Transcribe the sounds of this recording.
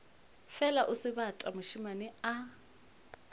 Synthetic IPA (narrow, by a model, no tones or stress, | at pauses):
fɛlaʔʊsɪβatʼamʊʃimanɪa